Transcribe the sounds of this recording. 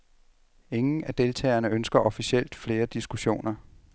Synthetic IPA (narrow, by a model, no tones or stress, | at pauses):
e̝ŋn̩æd̥e̝lt͡sʰɛ̰ːɪɐnəønsɡ̥ɐʔɒ̽fiɕiel̰d̥fle̝ːɐd̥isɡ̥uɕo̝̰ːnɐ